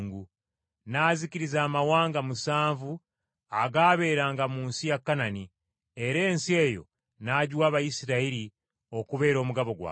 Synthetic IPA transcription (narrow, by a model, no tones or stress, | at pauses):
ŋɡu | naːziciɾizaːmawaːŋɡamusaːɱvu | aɡaːβe̞ɾaːŋɡamuːnsijakːanani | e̞ɾe̞ːnsie̞ːjo̞̰ | naːɟwaːβajisiɾaiɾi | o̞kuβe̞ːɾo̞ːmuɡaβo̞ɡwa̰ː